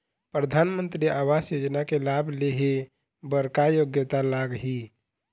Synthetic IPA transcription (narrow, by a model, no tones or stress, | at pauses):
pɾəd̪ʱaːnmə̃nt̪ɾiaːwasjoːd͡ʒnakelaːbleɦe | bəɾkajoɡjət̪alaːɡɦi